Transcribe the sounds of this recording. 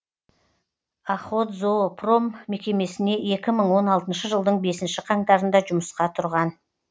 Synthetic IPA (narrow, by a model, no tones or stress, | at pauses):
ɑχot̪zopro̞mːe̞kʲe̞me̞sɪne̞e̞kʲɪməɴwo̞nɑlˠt̪ənʃəʒəlˠd̪əɴbe̞sɪnʃɪqʰɑɴt̪ɑɾənd̪ɑʒʊməsqɑt̪ʰʊɾʁɑn